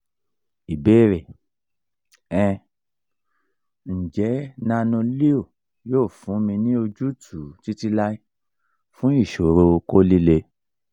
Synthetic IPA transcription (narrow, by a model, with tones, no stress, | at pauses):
i˨beː˦˨ɾɛ˨ | ɛ̃˧ | n̩˨d͡ʒɛ˨˦nã˦˧nũ˧li˦o˦˨ | joː˦˨fũ˨˦mĩ˧nĩ˦o˧d͡ʒu˦tʰu˨˦ti˦ti˧la˦i˦ | fũ˦i˦˨ʃo˨ɾo˧ko˦li˦le˧